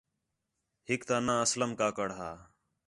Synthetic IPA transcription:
ɦɪkt̪aːnãːəsləmkaːkəɽɦaː

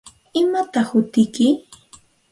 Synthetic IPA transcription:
ɪmat̪ɑχhʊt̪ɪkɪ

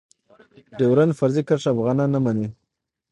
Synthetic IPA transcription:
ɖewɾanfaɾzikaʂaafɣɑnɑnːamani

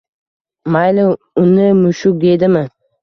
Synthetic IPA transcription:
majlɪ | ʊnɪmʊʃʊkd̪ed̪ɪmɪ

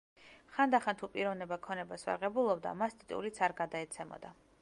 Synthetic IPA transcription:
χand̪aχant̪ʰupʼiɾɔvnɛbakʰɔnɛbasva̰ʁɛbulˠɔbd̪a̰mast̪ʼit̪ʼulit̪sʰaɾɡad̪aɛt̪sʰɛmɔ̰d̪a

